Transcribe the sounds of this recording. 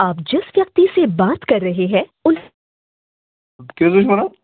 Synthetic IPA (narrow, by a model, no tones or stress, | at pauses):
aːpd͡ʒɪsʋjɐk̚t̪isebaːt̪kɐɾːɐɦeɦɛ̃ːʊn | kesʊʃmɐna